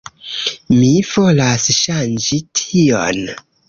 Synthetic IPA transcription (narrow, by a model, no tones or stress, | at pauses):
mivo̞lasʃand͡ʒitʰio̰n